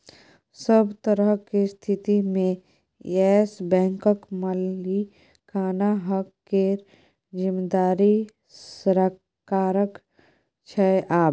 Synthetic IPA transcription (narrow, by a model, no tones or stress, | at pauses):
səbt̪əɾəɦkist̪ʰɪt̪imẽ | ɛːsbɛ̃ːŋkəkməli | kʰaːnaɦəkːeɾ | d͡ʒɪmd̪aːɾi | sɾə | kaːɾək | t͡ʃʰɛeʔaːb